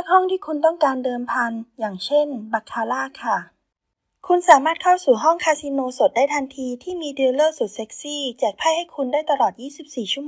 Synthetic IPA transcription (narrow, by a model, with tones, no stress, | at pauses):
naː˥˩k̚hɔ˥˩ŋt̪ʰiː˥˩kʰu˧nt̪ɔ˥˩ŋkaː˧ndɤː˧mpʰa˧njaː˨˩ŋt͡ɕʰe˥˩nba˨˩kʰːaː˧laː˥˩kʰːa˥˩ | kʰu˧nsaː˩˦maː˥˩t̪̚kʰa˥˩wsuː˨˩ɦɔ˥˩ŋkʰaː˧si˧noː˧so˨˩t̪̚daː˥˩jt̪ʰa˧nt̪ʰiː˧t̪ʰiː˥˩miː˧di˧lɤː˥˩su˨˩t̪̚se˦˥k̚siː˥˩t͡ɕɛː˨˩k̚pʰaː˥˩jha˥˩jkʰu˧ndaː˥˩jt̪a˧lɔː˨˩t̪̚jiː˥˩si˨˩p̚siː˨˩t͡ɕʰu˥˩˨m˧